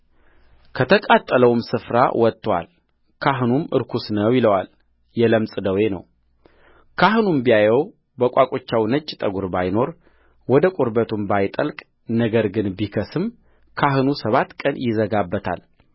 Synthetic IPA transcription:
kʰət̪ʰəkʼat̪ʼːələwmsɨfɾa̰wʔɔt̪ʼːwa̰l | kʰaɦɨnumɨ̰ɾkʰusnəwjɪləwal | jɛləmsʼɨd̪əwenə̰w | kʰaɦɨnumbijajɛw | bəkʷʼakʼot͡ʃːawnət͡ʃʼːt̪ʼəɡuɾbajno̞ɾ | wɔd̪əkʼuɾbət̪ʰumbajt̪ʼəlkʼ | nəɡəɾɡɨnbikʰəsɨm | kʰaɦɨnusəβat̪ːkʼənjɪzəɡabːət̪ʰa̰l

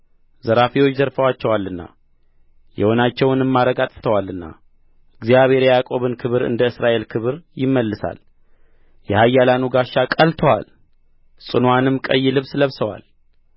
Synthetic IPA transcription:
zəɾafiwo̞t͡ʃːzəɾfəwat͡ʃːɛwalːɨnːa̰ | jɛ̰ho̞nat͡ʃːɛwnɨmːaɾəɡat̪ʼt̪ʰəwalːɨnːa̰ | ɨɡzjaβhe̞ɾɛjakʼo̞βɨnkʰɨβɾɨ̰nd̪əɨsɾaʔe̞lkʰɨβɨɾjɪmːəlːɨsa̰l | jɛhajːalanuɡaʃːakʼəlt̪ʰəwa̰l | sʼɨnwanɨmkʼəjːlɨβsləβsəwa̰l

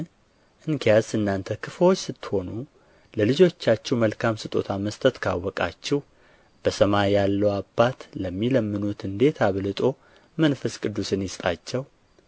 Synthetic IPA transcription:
n | ʔɨŋkʰijazɨnːant̪ʰəkʰɨfəwot͡ʃːsɨt̪ːho̞nu | ləlɨd͡ʒo̞t͡ʃːat͡ʃːɛwməlkʰamsɨt̪ʼo̞̰t̪ʰaməst̪ʰət̪kʰawːɔkʼa̰t͡ʃːɛw | b̥əsəmajalːəwabːat̪ləmːiləmːɨnut̪ɨnd̪e̞t̪ʰaβlɨt̪ʼo̞ | mənfəskʼɨd̪ːusɨnjɪst̪ʼat͡ʃːɛw

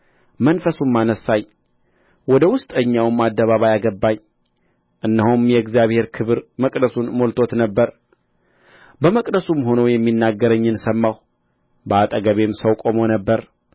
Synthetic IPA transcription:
mənfəsumːanəsaj | wɔd̪əwʊst̪ʼəɲːawmad̪ːəβaβajaɡəbːaɲ | ʔɨnːəhumjɛɨɡzijaβhe̞ɾkʰɨβɨɾməkʼd̪əsunmo̞lt̪ʰo̞t̪nəbːəɾ | bəməkʼd̪əsumɦo̞nowjɛmːinːaɡːəɾəɲːɨnsəmːaw | bəat̪ʼəɡəβe̞msəwkʼo̞monəbːəɾ

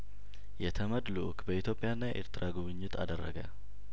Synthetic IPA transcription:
jɛt̪ʰəməd̪luʔkbəit̪jo̞pʼɪjanːajɛʔḛɾt̪ɨɾʔaɡuβɨɲːɪt̪ʰa̰d̪ərːəɡə̰

